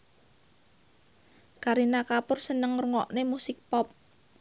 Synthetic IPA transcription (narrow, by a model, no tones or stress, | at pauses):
kaɾinakapʊrsənəŋrəŋɔʔnemusɪk̚pɔp̚